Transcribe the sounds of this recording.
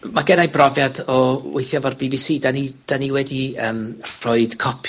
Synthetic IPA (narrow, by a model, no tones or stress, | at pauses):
maɡɛnajbrɔvjadɔwejθjavɔrbibisiːdanid̥aniwɛdiəːmr̥ʊɨd̥kʰɔpʰ